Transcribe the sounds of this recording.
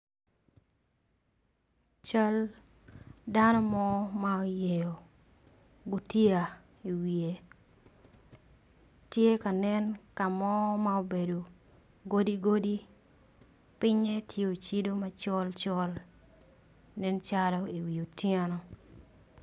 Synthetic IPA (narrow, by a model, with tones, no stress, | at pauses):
t͡ʃa˦l | da˦nɔ˦mɔ˦mao˨je˨jo˨ | ɡo˨tjia˨ | i˨wi˨e˨ | tje˦ka˨nɛ˦nka˨mɔ˦mao˨be˨do˨ | ɡo˦di˦ɡo˦di˦ | pɪ˦ɲɛ˦tʰje˦o˨t͡ʃi˦do˦ma˦t͡ʃɔ˦lt͡ʃɔ˦l | nɛ˦nt͡ʃalɔi˨wi˨o˨tje˦nɔ˨